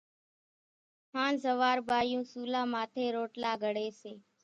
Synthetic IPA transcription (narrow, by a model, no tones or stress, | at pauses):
ɦaːnzəʋaːɾɓaːjũːsuːlaːmaːt̪ʰeːɾoːʈlaːɡʱəɽeːseː